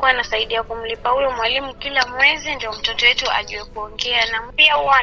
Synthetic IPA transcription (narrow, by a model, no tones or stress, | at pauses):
kuanasaiɗiakum̩lipahujɔmwalimukilamwɛzindiɔm̩tɔtɔjɛtua̰ʄuwɛkuɔŋɡɛanam̩piauwa